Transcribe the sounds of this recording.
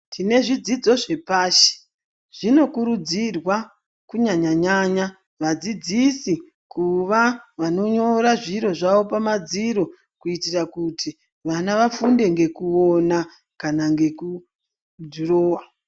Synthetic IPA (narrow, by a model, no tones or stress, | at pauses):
tʰine̞ʐid͡zid͡zo̞ʐe̞paːʃe̥ | ʐ̥ino̞kuɾud͡zirwa | kuɲaɲaɲaɲa | ʋad͡zid͡zisi | kuʋaʋano̞ɲo̞ɾaʐiɾo̞ʐaʋo̞pamad͡ziɾo̞ | kuitirakuti | ʋanaʋafunde̞ŋɡe̞kuo̞na | kanaŋɡe̞ku | dʱuroːwa